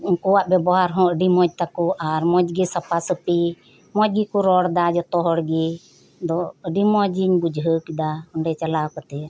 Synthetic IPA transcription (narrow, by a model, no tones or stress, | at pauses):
kɔwaʔbɛbɔɦaɾɦɔ̃əɖimɔd͡ʒ̚t̪akuʔaɾmɔd͡ʒɡisapasəpi | mɔd͡ʒɡikuɾɔɽd̪ad͡ʒɔt̪ɔɦɔɽɡi | d̪ɔəɖimɔd͡ʒiɲbud͡ʒɦəkid̪aɔɳɖɛt͡ʃalakɔt̪ɛ